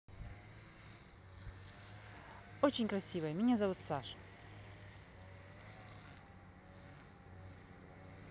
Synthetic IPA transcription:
ot͡ɕɪnʲkɾɐsʲivəjəmʲɪnʲazɐvut̪saʂ

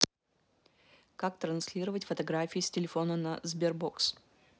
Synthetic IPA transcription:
kak̚t̪ɾɐnslʲiɾəvətʲfət̪ɐɡɾafʲiːsʲtʲɪlʲɪfo̞nənɐzbʲɪrboks

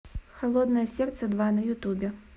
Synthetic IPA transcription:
xalˠɔd̪nɐjɐsʲɛrt̪sɛd̪vanɐjut̪ubʲɛ

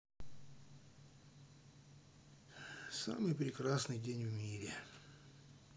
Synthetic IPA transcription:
sa̰mɨjpɾʲɪkɾasnɨjdʲenʲvmʲiɾʲɪ

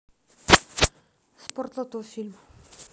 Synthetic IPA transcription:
spɔrt̪lˠɔt̪ofilm

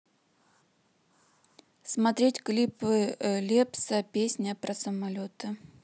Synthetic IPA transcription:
smɐt̪ɾʲetʲklʲipɨlʲepsəpʲesʲnʲəpɾɐsəmɐlʲot̪ɨ

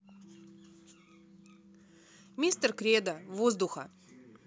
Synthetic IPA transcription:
mʲist̪ərkrʲed̪əvozd̪uxə̰

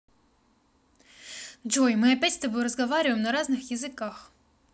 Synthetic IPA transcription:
d͡ʒojmɨɐpʲætʲst̪ɐbojʊɾəzɡɐvaɾʲɪvəjmnɐɾaznɨxjɪzɨkax

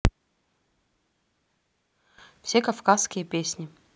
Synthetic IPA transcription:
fsʲekɐfkaskʲɪjəpʲesʲnʲɪ

